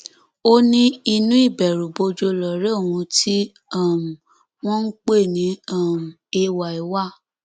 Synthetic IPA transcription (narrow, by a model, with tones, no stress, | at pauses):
o˦nĩ˦i˧nũ˦i˦˨bɛ˨ɾũ˨bo˧d͡ʒo˧lɔ˨ɾe˦o˦˨hũ˧tʰi˦ | a˦˨m˨ | w̃ɔ̃˦n̩˦k͡pe˦˨nĩ˨˦a˦˨m˨e˧wa˨i˨˦wa˦˨